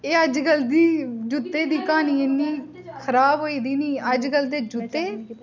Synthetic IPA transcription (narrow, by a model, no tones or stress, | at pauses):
eːəd͡ʒɡəld̪iːd͡ʒʊt̪ːeːd̪iːkaːniːenːiː | kʰəɾaːbɦoːiːd̪iːniːəd͡ʒɡəld̪eːd͡ʒʊt̪ːeː